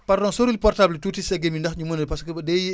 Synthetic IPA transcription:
pɐɾdɔnsoɾilipɔrtablitutisɛɡemindɐxɲumɐnɐlpɐskəbɐdɛ

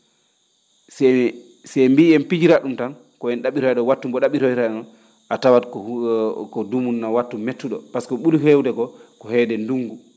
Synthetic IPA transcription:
sɛ | sɛmbiːɛnpid͡ʒiɾaɗumtan | kɔɛnɗaɓiɾajɗɔwatːumbɔɗaɓiɾojɾanɔn | ʔatawatkɔkɔdumunːawatːumːetːuɗɔpaskɔɓulhewdɛɡɔkɔhɛːdɛnduŋɡu

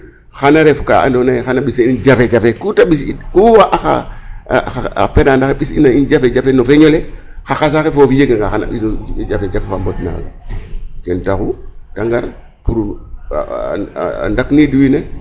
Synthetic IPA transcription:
xanaɾefka̰a̰ndonaxanaɓisend͡ʒafed͡ʒafekutaɓisikuwaʔaxa̰ | aa̰penandaxeɓisḭnaind͡ʒafed͡ʒafenofeɲolexaxas̬axefofijeɡaŋɡaxana̰ɓisd͡ʒafed͡ʒafefambot̚na̰ːɡa̰kentakutaŋɡaɾ | puɾṵ | a̰ndakniduwine

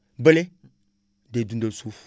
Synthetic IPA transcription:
bəle | dedundəsu

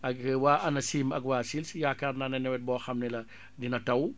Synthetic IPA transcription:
ʔɐkwaːʔɐnɐsiːmɐɡwaːsilsjakaːrnanɐnɛwɛt̚bɔːxɐmnɛlɐ | dinɐtɐw

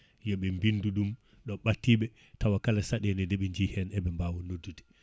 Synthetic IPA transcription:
jɔɓɛmbinduɗum | ɗɔɓatːiɓɛ | tawakalasaɗɛnɛdɛɓɛɲd͡ʒihɛnɛɓɛmbawɔnodːutɛ̥

